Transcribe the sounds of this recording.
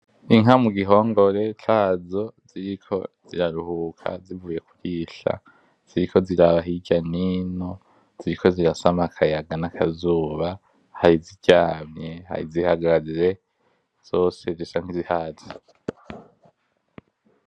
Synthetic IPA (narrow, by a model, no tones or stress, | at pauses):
iŋamuɡiɦo̞ːŋɡo̞ɾe̞t͡ʃaːzo̞z̥iɾikʰo̞̰z̥iɾaɾuhuːkʰa̰zivuːje̞ku̥ɡiʃa̰ | z̥iɾikʰo̞ziɾaβaɦiɟanino̞ | z̥iɾiko̞ziɾasamakʰajaɡanakʰazuːβa | haɾiziɟ̥aːmɲe̞ha̰ɾizihaɡaazɾe̞ | z̥o̞ːse̞zisaŋ̥hizihaːze